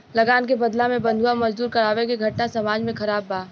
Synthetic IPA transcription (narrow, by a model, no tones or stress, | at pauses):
lɐɡaːnk̬ebɐd̪lamẽbɐ̃nd̪ʱuwamɐd͡ʒd̪uːɾkɐɾaːʋekeɡʱɐʈnasɐmaːd͡ʒmẽkʰɐɾaːbːaː